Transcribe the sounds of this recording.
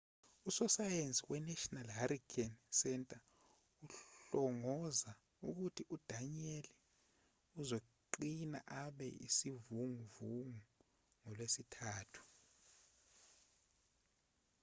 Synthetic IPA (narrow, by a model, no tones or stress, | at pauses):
usɔsajent͡sʼiwɛnɛʃɔnalɦaɾikʰansɛntʼa | uɬɔŋɔza | uk̬utʰiʔud̥ʱaɲeli | uzo | ǃina̰ʔaɓɛ̰ḭsivuŋuvuŋu | ŋɔlwesitʰaːtʰu̥